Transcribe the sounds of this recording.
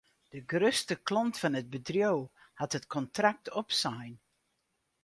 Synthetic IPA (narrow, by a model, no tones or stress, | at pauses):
d̥əɡrøstəklɔntfɑnəd̚bədrjow | hatətkʰɔntrak̚tʰɔpsajn